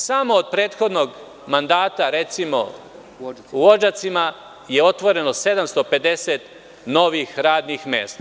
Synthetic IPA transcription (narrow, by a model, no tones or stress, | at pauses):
samo̞ːd̪̚pɾe̞ːt̪xo̞d̪no̞ɡ | mand̪aːt̪aɾe̞t̪simo̞̰ | uʋo̞d͡ʒat̪sima | je̞o̞t̪ʋo̞ɾe̞no̞se̞d̪amst̪o̞pe̞d̪e̞set̪ | no̞ʋixɾaːd̪nixmḛːst̪a